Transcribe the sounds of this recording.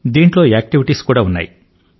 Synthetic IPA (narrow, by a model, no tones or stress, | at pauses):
d̪iːɳʈloeːk̚ʈiʋiʈiskuːɽaːunːa̰jḭ